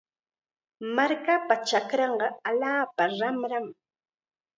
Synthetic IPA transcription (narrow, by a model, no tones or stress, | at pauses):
maɾkapat͡ʃakɾɑɴɢɑaʎaːpaɾamɾam